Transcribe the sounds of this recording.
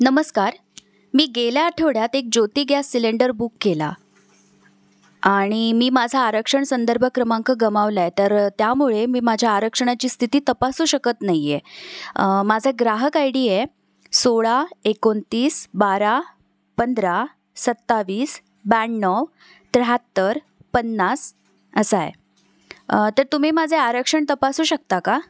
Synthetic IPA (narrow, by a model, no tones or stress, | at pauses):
nəməskaɾ | miːɡeljaːʈʰeʋɽjat̪ek̚d͡ʑot̪iːɡjasːileɳɖəɾbukːela | aɽ̃imiːmad͡zʱaːɾəkʂəɳsənd̪əɾbʱəkɾəmãŋkəɡəmaʋlajt̪əɾt̪jamuɭemiːmad͡ʑʱjaːɾəkʂəɳ̃at͡ɕiːst̪ʰit̪iːt̪əpasuːɕəkət̪naje | mad͡zʱaɡɾaɦəkajɽiːje | soɭaekont̪iːsbaɾa | pənd̪ɾa | sət̪ːaʋiːs | bɛɳnɔʋ | t̪ɾəɦat̪ːəɾ | pənːas | əsajḛ | t̪əɾt̪um̤iːmad͡zʱeaɾəkʂəɳt̪əpasuːɕək̚t̪aka